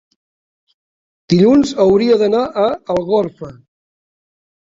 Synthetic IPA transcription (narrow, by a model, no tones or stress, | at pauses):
d̪̥iʎunzəwɾiəðənaʔəːlˠɣoɾfə